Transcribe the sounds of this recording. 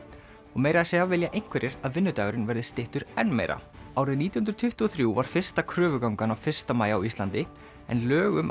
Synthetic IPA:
ɔɣmeːjɾaðseːɣavɪljaʔejŋ̥kʰvɛɾʔɪɾaðvɪnːʏt̪aːɣɾɪnvɛɾðɪst̪ɪht̪ʏɾɛnmḛːjɾa̰ | awɾɪðniːt̪jhnɾt̪ʰʏht̪uɔθɾjuːvaɾ̥fɪr̥st̪akʰɾœːvʏkawŋkanawfɪr̥st̪amaːjawist̪lant̪ɪ | ɛ̰nlœːɣʏm

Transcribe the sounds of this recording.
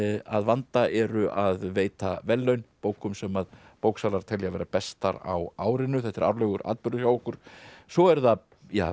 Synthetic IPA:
aðvant̪aʔɛɾʏʔaðveːjt̪avɛlːœɥnpoːwkʏmsɛmað | poːwksaːlaɾ̥t̪ʰɛljavɛːɾapɛst̪a̰ɾa̰waːwɾɪnːʏθɛht̪ːɪɾa̰wɾlœɣʏɾʔa̰ːt̪pʏɾðʏsjawɔkʏɾ̥sɔɛɾða | ja̰ː

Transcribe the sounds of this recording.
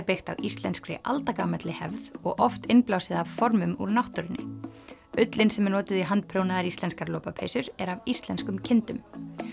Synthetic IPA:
ɾpɪxt̪a̰wist̪lɛnskɾɪ̰ʔa̰lt̪akaːmɛt̪lɪhɛvðɔɣʔɔft̪ɪnplawsɪðavfɔɾmʏmuɾnawht̪ʏɾɪnːɪ̰ | ʏt̪lɪnsɛmɛnɔːt̪ɪðiɦant̪̚pʰɾoːwnaðaɾist̪lɛnskaɾloːpapʰḛjsʏɾɛɾavist̪lɛnskʏmcʰɪnt̪ʏm

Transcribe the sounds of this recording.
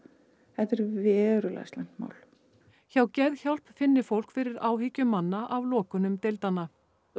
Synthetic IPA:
hɛt̪ɛɾvɛːɾʏlɛ̰jst̪lɛn̥t̪ma̰ːwl | çawcɛðçawlpfɪnːɪfowl̥kfɪɾɪɾaːwhiːcʏmːanːaʔavlɔːkʏnʏmt̪ejlt̪anːa

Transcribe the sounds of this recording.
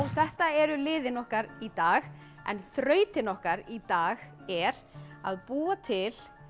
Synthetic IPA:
wθɛht̪aɛɾʏlɪːðɪnɔhkaɾit̪aːɣ | ɛ̰nθɾœːɥt̪ɪnɔhkaɾit̪aːɣ | ɛɾ | a̰ðpuːat̪ʰɪl

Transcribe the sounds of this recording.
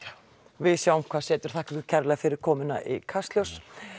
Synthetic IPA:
vɪðsjaːwʊmkʰvaðsɛːt̪ʏɾ̥θahkvɪðcʰɛɾlɛɣfɪɾɪɾ̥kʰɔːmɪna̰ʔḭkʰast̪ljows

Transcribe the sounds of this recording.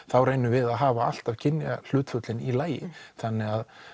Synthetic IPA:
θawrejnʏvɪðaðɦaːvaal̥t̪av̥cʰɪnjal̥ʏːt̪fʏt̪lɪnilaːjɪθanːɛɣað

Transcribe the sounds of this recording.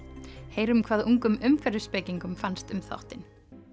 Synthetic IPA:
heːjɾʏmkʰvaːðuŋkʏmʏmfɛɾʏspeːjciŋkʏmfanst̪ʏmθa̰wht̪ɪn

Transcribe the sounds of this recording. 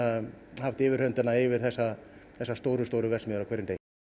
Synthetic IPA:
ahaft̪ɪvɪɾ̥hœnt̪ɪnaɪvɪɾ̥θɛsːaθɛsːast̪oːwɾʏst̪oːwɾʏvɛrsmɛʏɾakʰvɛɾːɪnt̪ej

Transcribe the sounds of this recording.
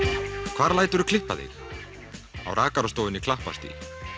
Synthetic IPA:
kʰv̥aːɾlaːjt̪ʏɾʏ̥kʰlɪhpːaθḭx | a̰wɾaːkaɾast̪owɪnikʰlahpa̰st̪ḭ

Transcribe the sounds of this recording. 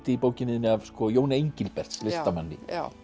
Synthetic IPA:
t̪ɪipoːwcɪnɪðnɪavskɔjoːwnaeɲcɪlpɛr̥t̪slɪst̪amanːɪ

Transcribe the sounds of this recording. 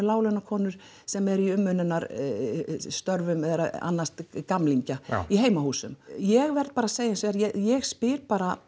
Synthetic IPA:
laːwlɛnakʰɔːnʏɾ̥ | sɛmɛɾiʏmːʏnːɪnaɾ | st̪œɾvʏmɛðɾaa̰nːast̪kamliɲcaiɦeːjmahuːsʏmjɛɣvɛɾt̪̚paːɾaseːjɪnseɾjɛjɛɣspɪɾpaːɾa

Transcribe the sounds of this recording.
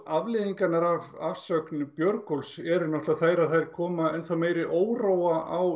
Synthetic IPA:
avlɪːðiŋkanaɾavafsœknʏpjœɾkɔlsɛɾʏnɔht̪aθaːjɾaðθajɾ̥kʰɔːmaɛnθawmeːjɾɪʔoːwroːwaʔaw

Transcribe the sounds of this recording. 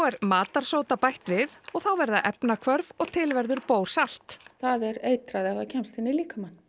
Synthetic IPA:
wɛɾmaːt̪aɾ̥soːwt̪apajht̪vɪðɔɣθawvɛɾðaʔɛpnakʰvœɾvɔɣt̪ʰɪlvɛɾðʏɾpoːwɾ̥sal̥t̪θaðɛɾeːjt̪ɾaðɪaacʰɛmst̪ɪnːɪliːkamanː

